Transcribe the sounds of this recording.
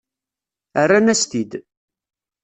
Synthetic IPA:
ərːanæst̪id̪

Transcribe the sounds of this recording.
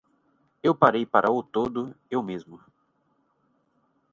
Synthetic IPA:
ewpaɾejpaɾʔɐʊt̪od̪ʊewmezmʊ

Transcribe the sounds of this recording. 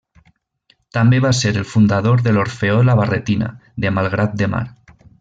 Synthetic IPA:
t̪ambeβaseɾelfund̪aðoɾðeloɾfeolaβ̞aret̪ina̰ðemalˠɣɾat̪̚d̪ema̰ɾ

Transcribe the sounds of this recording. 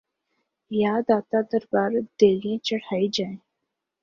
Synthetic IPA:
jaːd̪aːt̪ad̪əɾbaːɾd̪̥eːlĩt͡ʃəɽaid͡ʒaẽ

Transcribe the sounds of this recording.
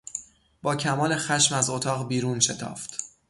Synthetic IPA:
b̥ɒːcʰæmɒːle̞xæʃmæzot̪ʰɒːɣbiːɾuːnʃe̞t̪ʰɒ̰ːft̪

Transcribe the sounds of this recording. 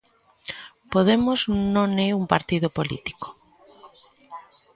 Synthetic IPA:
poð̞emoznõneumpaɾt̪iðopolḭt̪i̥ko̥

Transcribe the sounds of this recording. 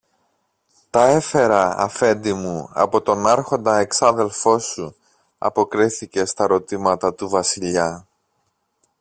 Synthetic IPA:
t̪ɐe̞fe̞ɾɐɐ̰fe̞nd̪imuɐ̰po̞t̪o̞nɐɾxo̞nd̪ɐeksɐðe̞lfo̞su | ɐ̰po̞kɾiθice̞st̪ɐɾo̞t̪imɐt̪ɐt̪uvɐsiʎɐ

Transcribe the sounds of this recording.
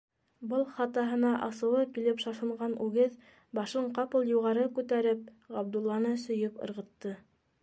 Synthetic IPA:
bɤlˠχɑt̪ɑɦɤ̆nɑʔɑsɤ̆wɤkilɘpʃɑʃɤ̆ɴɢɑnʔʉɡɘð | bɑʃɤɴqɑpɤlˠjuʁɑɾɤkʉt̪æɾɘp̚ | ʁɑb̚d̪ulˠːɑnɤsɵ̆jɤpɤ̰̆ɾʁɤ̆t̪ːɤ

